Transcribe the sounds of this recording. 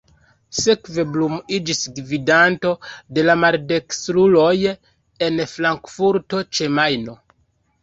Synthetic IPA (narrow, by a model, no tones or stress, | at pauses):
sekve̞blumid͡ʒisɡvidanto̞de̞lamaɾde̞ksɾulo̞j | e̞nflaŋkfuɾto̞t͡ʃe̞majno̞